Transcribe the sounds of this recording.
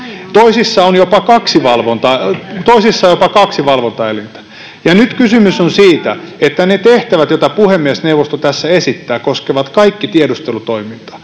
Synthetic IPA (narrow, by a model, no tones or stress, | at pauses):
t̪oisisːɑonjopɑkɑksiʋɑlʋont̪ɑt̪oisisːɑjopɑkɑksiʋɑlʋont̪ɑelint̪æ̥ | jɑnyt̪kysymysonsiːt̪æet̪ːænet̪eht̪æʋæt̪jot̪ɑpuhemːiesneuwʋːˑost̪ot̪æsːæesit̪ːæːkoskeʋɑt̪kɑikːit̪iedust̪elut̪oimint̪ɑ̥